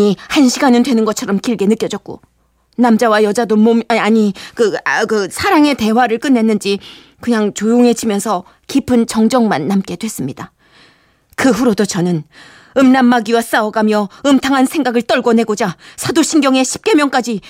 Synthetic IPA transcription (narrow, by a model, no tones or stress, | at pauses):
ihanɕʰiɡanɯndwe̞nɯnɡʌt͡ɕʰʌɾʌmkiɭɡe̞nɯk͈jʌd͡ʑʌk̚k͈o̰ | namd͡ʑawajʌd͡ʑadomoaɲikɯkɯsʰaɾaŋe̞te̞waɾɯɭk͈ɯnːe̞nːɯnd͡ʑi | kɯɲaŋt͡ɕojoŋɦe̞t͡ɕʰimjʌnsʰʌ | kipʰɯnt͡ɕʌŋd͡ʑʌŋmanːamk͈e̞d̥we̞s͈ɯmɲida | kɯɸuɾodot͡ɕʌnɯn | ɯmnamːaɡiwas͈aʌɡamjʌɯmtʰaŋɦansʰe̞ŋɡaɡɯɭt͈ʌɭɡʌne̞ɡod͡ʑasʰadoɕʰinɡjʌŋe̞ɕʰi̥p̚k͈e̞mjʌŋk͈ad͡ʑi